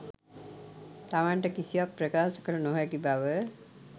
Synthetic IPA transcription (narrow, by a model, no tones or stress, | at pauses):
t̪aʋaɳʈəkisiwapːrɾəkaːsə̥kəɾunoɦajakibaʋə